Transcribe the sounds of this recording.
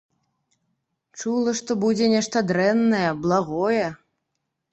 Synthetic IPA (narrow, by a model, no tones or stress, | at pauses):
t͡ʂulˠɐʂt̪ɔbud͡zʲɛnʲɛʂt̪ɐd̪ɾɛnːɐjɛblˠaɣɔjɛ